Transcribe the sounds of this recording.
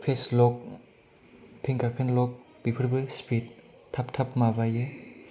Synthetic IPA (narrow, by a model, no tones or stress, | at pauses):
pʰeslɔk̚ | pʰiŋkaɾpʰenlɔk̚ | b̥ipʰɯɾbɯspʰit̚ | tʰːaptʰapmabajɯ